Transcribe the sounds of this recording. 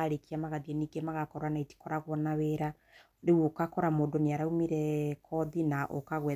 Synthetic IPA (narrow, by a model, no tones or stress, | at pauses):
aɾekiamaɣaðiɛniːɡemaɣakɔɾanaiti̥kɔɾaɣwɔnaβeɾa | ɾewokakɔɾamoːndoneaɾaumiɾɛkʰɔðinaʔo̰kaɣwɛ